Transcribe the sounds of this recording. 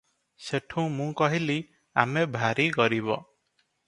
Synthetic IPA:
seʈʰũmũkɔɦili | a̰mebʱaɾiɡɔɾiβɔ̰

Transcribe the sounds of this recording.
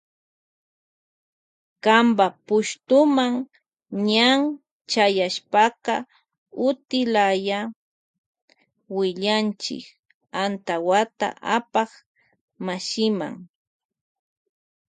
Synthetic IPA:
kambapʊʃt̪ʊmaŋ | ɲaŋ | t͡ʃajaʃpɑqɑ | ʊt̪ɪlaja | wɪʎant͡ʃɪ̰k | ant̪awat̪a̰ʔapɑχ | maʃɪma̰ŋ

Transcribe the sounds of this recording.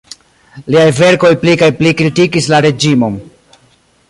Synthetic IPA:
liajve̞ɾko̞jplikajplikɾitikislaɾe̞d͡ʒimo̞m

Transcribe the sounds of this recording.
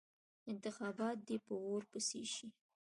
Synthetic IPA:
ɪnt̪ɪxɑbɑt̪̚d̪epəoɾpəsḛʃi

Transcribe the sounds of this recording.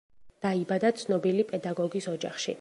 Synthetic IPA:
d̪̥aibad̪at̪sʰnɔbilipʼɛd̪aɡɔɡisɔd͡ʒa̰χʃḭ

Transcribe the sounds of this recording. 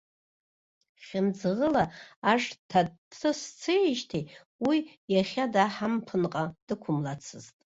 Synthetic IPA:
χʲɪmd͡zɨʁəlaaʂtʰatʰɨst͡sʰeʒtʰi | wijaχʲadaħampʰɨnqʼad̥ɨkʷʰʊmlat͡sʰɨztʼ

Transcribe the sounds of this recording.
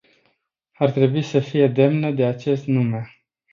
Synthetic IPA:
art̪ɾe̞buisəfije̞d̪e̞mnəd̪e̞at͡ʃe̞st̪nume̞

